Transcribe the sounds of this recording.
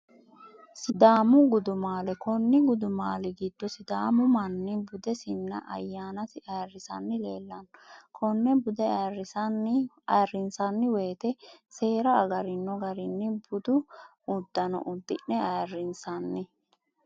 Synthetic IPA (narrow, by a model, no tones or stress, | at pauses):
sɪd̪aːmʊɡʊd̪ʊmaːlɛkɔnːɪɡʊd̪ʊmaːlɪɡiːd̪̥ːɔsɪd̪aːmʊmɐnːɪbʊd̪ɛsɪnːɐ̰ʔɐ̰jːaːnɐt̪ɪɐjrːɪsɐnːɪle̞ːlːɐnkʰɔnːɛbʊd̪ɛrːɪsɐnɪ | ɐjrːɪnsɐnːɪwe̞ːt̪ɛse̞ːɾɐːɡɐɾɪnːɔɡɐɾɪnːɪbʊd̪ʊ | ʊd̪ːɐnɔ̰ʔʊd̪ːɪnːɛɐjrːɪnsɐnːɪ